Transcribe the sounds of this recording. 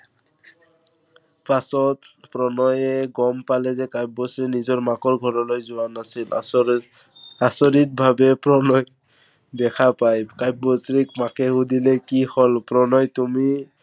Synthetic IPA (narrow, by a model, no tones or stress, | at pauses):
pasɔtpɹɔnɔjɛɡɔmpalɛzɛkajp̚bɔsɹinizɔɹmakɔɹɡʱɔɹɔlojzʊwanasil | asɔɹit̚bʱabɛpɹɔnɔj | dɛkʰapajkajp̚bɔsɹik̚makɛɦudilɛkihɔlpɹɔnɔjtumi